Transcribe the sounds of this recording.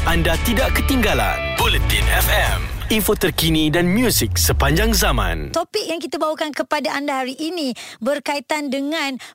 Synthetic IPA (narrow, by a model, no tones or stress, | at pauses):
ʔandat̪idaʔkət̪iŋɡala̰nbolut̪inɛfɛminfot̪ərkinidanmjusik̚səpaɲd͡ʒaŋzamã̰nt̪opɪk̚jaŋkit̪abawakankəpadaʔandaɦaɾiʔːnibərkait̪andəŋãn